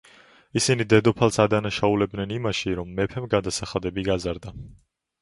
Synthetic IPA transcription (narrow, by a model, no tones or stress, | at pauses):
isinid̪ɛd̪ɔpʰalˠsad̪anaʃaulɛb̚d̪nɛnimaʃiɾɔmːɛpʰɛmɡad̪asaχad̪ɛbiɡazaɾd̪a